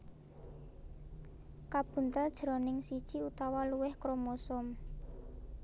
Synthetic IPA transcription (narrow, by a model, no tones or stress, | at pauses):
kab̥ṳnt̪əld̥ʒ̥əɾɔ̤nɪŋsid̥ʒ̥iut̪awaluwɪhkɾomosʊm